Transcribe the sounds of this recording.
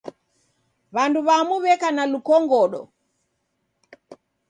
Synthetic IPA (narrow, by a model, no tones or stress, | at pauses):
βanduβamuβɛkanalukɔŋɡɔɗɔ̰